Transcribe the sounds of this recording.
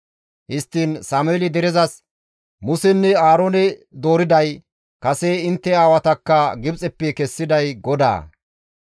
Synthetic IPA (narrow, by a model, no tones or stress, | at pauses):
hɪst̪ːiːnsaːmʊɛːlɪd̪ɛɾɛzɐs | mʊsɛnːɛaːɾoːnɛd̪o̞ːɾɪd̪ɐj | kɐseɪnt̪ːɛaːwɐt̪ɐkːɐɡɪbt͡sʼɛpːɛkɛsːɪd̪ɐjɡɔd̪a̰ː